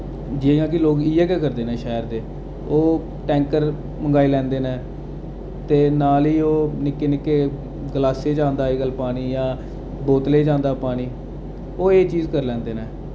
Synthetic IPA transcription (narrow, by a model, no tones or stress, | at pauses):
d͡ʒeːjãːk̬ɪloːkiːɛːkɛːkəɾd̪eːnẽːʃɛːəɾd̪eː | oː | ʈɛ̃ːŋkəɾ | məŋɡaːiːlɛ̃ːnd̪eːnẽː | t̪eːnaːliːoːnɪkːeːnɪkːeː | ɡəlaːseːd͡ʒãːnd̪aːɪɡəlpaːɽ̃iːjãː | boːt̪leːd͡ʒãːnd̪aːpaːɽ̃iː | oːeːt͡ʃiːzkəɾlɛ̃ːnd̪eːneː